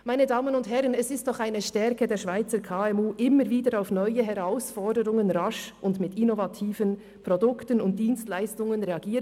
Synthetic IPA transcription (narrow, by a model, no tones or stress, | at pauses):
maɪnədaːmənʊnthɛɾənɛsɪstd̥ɔχaɪnəʃtɛɾkədeːɐʃv̥aɪt͡səkʰaːɛmuːʔɪməɾviːdəɾaʊfnɔʏəɦɛʁaʊsfɔɹdəɾʊŋənɾaʃʊndmɪtinovatʰiːvən | pʁodʊktənʊnt̚d̥iːnstlaɪstʊŋənʁeɑɡiː